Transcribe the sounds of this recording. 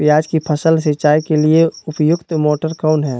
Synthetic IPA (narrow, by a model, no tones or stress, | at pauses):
jaːd͡ʒkipʰəsəlsɪt͡ʃaːikelieʊpjʊɡt̪moːʈəɾkaʊnɦɛ̃ː